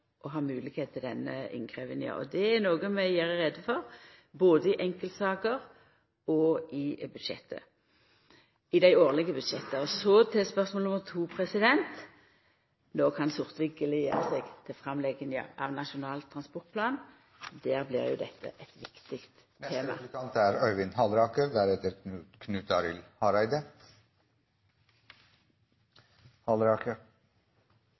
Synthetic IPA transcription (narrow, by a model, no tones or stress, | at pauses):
ʔɔɦɑːmʉːlɪkheːt̪̚ʰɪld̪ɛnːəɪ̰ŋkʰʁeʋɪnjə̰ʔɔ̰d̪ɛæʁnoːɡəmɛjæːʁəʁɛd̪ːəfɔʁboːd̪əɪʔɛŋkəlt̪sɑːkəʁ | ɔɪbʉd̪ʂɛ̰t̪ʰːə̰ | ɪd̪æɪoːʁlɪɡəbʉd̪ʂɛt̪ːəɔsɔt̪ʰɛspœʁsmoːlnɔməʁt̪ʰuːpʰʁɛsɪd̪ɛnt̪ | noːkʰɑnsʊʁt̪ʋɪɡəlɪjḛːʁəsɛɡt̪ʰɪfʁɑmlɛɡənə̰ʔɑ̰ʋnɑʃʊnɑːlt̪ʰːʁɑnspɔʁt̪̚pʰlɑːn | d̪æːʁblɪ̰ʁjʊ̰d̪ɛ̰t̪ʰːə̰ʔɛt̪ʋɪkt̪ɪkt̪ʰː | eːmɑ̰ɑnt̪æɾœʏʋɪnhɑlɾɑːkəɾd̪æɾɛt̪əɾkʰnʉːt̪ɑɾɪ̰lhɑɾæɪd̪ə | hɑlɾɑːkəɾ